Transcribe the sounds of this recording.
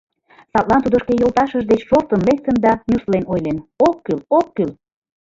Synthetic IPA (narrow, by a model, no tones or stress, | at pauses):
sɑt̪̚lɑnt̪ud̪ə̆ʃkejolˠt̪ɑʃəʒd̪et͡ɕʃoft̪ənlek̚t̪ənd̪ɑmʲuslenojlenokːylokːyl